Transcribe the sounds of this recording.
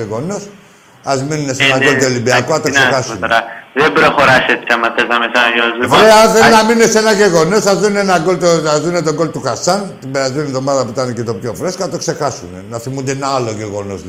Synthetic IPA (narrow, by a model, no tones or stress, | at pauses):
eɣo̞nos | ɐzminunesenɐɡolt̪uolimbiɐkoɐt̪ossexɐsnɾaðebɾoxoɾaʃet̪t͡ʃɐmɐt̪ːɐzɐmesajezvɾeθenɐminunesenɐʝeɣo̞nosɐzðuneenɐɡolt̪oɐzunet̪oɡo̞lt̪uxɐsɐnt̪ibeɐzunet̪omɐðɐput̪ɐnecet̪o̞pçofɾeskɐt̪okse̞xɐsunenɐθimund̪eenɐɐloʝeɣo̞nos